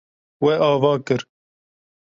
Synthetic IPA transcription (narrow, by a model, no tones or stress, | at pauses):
wɛʔɑːvɑːkɨɾ